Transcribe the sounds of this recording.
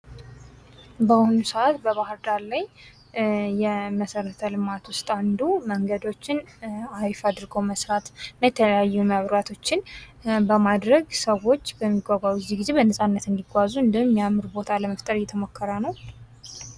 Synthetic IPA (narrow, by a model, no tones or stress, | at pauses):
bəhonusəat̪bəβahɨɾd̪alaj | jɛməsəɾət̪ʰəlɨmat̪wʊst̪ʼand̪uməŋɡəd̪o̞t͡ʃːɪnajfad̪ɨɾɡo̞məsɾat̪najɛt̪ʰələjajːuməβɾat̪ʰo̞t͡ʃːɪnbəmad̪ɾəɡsəwo̞t͡ʃːbəmːiɡʷaɡʷawujɛzːihɡize̞βbənəsʼanːət̪ɨnd̪iɡʷazuɨnd̪əhmːijamːɨɾbo̞t̪ʰaləməft̪ʼəɾjɛt̪ʰəmo̞kʰːəɾanəw